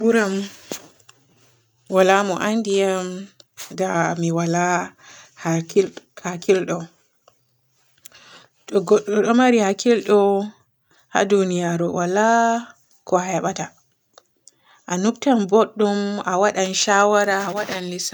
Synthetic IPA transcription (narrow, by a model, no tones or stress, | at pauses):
buɾam | walamɔʔandijamdamiwala | hakhakilɗɔ | ɗɔɡɔɗːɔɗɔmaɾihakilɗɔ | ha̰dunijaɾɔwala | kɔhɛɓata | ʔanuktambɔɗːumawaɗanʃawaɾaawaɗanlisa